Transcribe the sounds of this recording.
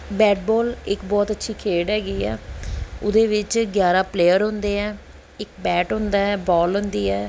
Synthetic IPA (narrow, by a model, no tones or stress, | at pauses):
bɛːʈbɔːlɪkbɔːt̪ətːʃʰiːkʰeːɖɦɛːɡiːɛ̰ːʊd̪eːʋɪt͡ʃɡjaːɾaːpleːəɾɦʊ̃nd̪eːɛː | ɪkbɛːʈɦʊ̃nd̪aːɛːbɔːlɦʊ̃nd̪iːɛː